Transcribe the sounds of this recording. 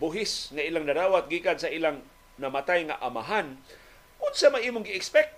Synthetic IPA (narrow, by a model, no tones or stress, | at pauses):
bʊɦɪsŋaʔilaŋnaɾaːwat̪̚ɡiːkansaʔilaŋ | nɐmat̪ajŋaʔama̰ɦan | kʊd̪samaʔiːmʊŋɡɪɛkspɛk̚t̪